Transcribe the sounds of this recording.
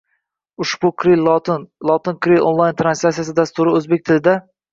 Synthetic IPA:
ʊʃb̥ʊkɾilnlˠɒt̪ɪnkʰɾilʔonlˠajnt̪ʰɾansasijasɪd̪ast̪ʊɾɪɵzbekʲt̪ʰɪlɪd̪a

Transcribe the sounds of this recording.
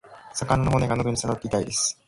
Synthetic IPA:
sakananoɦone̞ɡanoɡ̪oɲ̟isaɾat̪ːe̞it̪aid̪e̞sɨ̥

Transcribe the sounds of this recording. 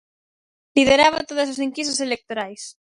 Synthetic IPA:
lið̞eɾaβat̪oðososiŋkist̪oselek̚t̪oɾajs

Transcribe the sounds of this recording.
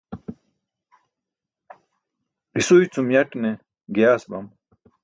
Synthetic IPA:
ɾisujt͡sumjɐʈne | ɡejaːsbɐm

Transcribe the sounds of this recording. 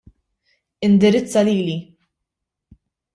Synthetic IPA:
ɪnd̪ɪɾɪt͡sːɐliːli

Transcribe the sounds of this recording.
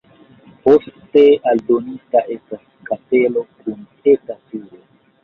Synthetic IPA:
po̞ste̞aldo̞nistaʔe̞stas | kate̞lo̞kʰun | e̞tatiɾo

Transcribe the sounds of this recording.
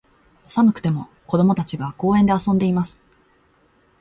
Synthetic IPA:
samɯ̟kɯ̟̥t̪e̞mo̞ | ko̞d̪o̞mo̞t̪at͡ɕiɡako̞ːẽ̞nd̪e̞asõ̞nd̪e̞imasɨ̥

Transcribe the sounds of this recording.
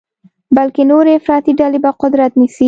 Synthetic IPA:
balkenoɾeɪfɾɑt̪iɖalebaqʊd̪ɾat̪nisi

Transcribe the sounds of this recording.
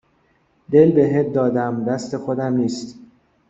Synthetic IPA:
d̪e̞lbe̞ɦet̪̚d̪ɒːd̪æmd̪æst̪e̞xo̞d̪æmniːst̪

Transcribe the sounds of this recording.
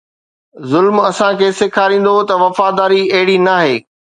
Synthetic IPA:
zʊlmɐsãkʰeːsɪkʰaːɾĩːn̆d̪ot̪ɐʋɐfaːd̪aːɾiɐɦɪɽinaːɦeː

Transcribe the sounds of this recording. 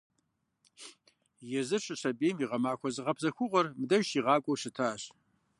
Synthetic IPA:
jɛzɨɕʰʼɨɕɐbeːmiʁɐmaːxʷʰɔzɨʁɐpʰzɐxʷʊʁʷɐrmdɐʒiːʁɑːkʷʼowʃɪtʰaːɕ

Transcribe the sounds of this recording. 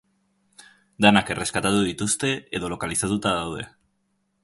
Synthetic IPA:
d̪anake̞re̞skat̪at̪uðit̪ust̪e̞eð̞o̞lo̞kalisat̪ut̪aðawð̞e̞

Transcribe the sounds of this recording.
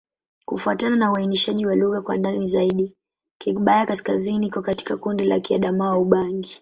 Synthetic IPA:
kufuatananauainiʃaʄiwaluɣakwa̰ndanizaiɗi | kɛkɓajakaskaziniikɔkati̥kakundila̰kia̰ɗamawauɓaŋɡi

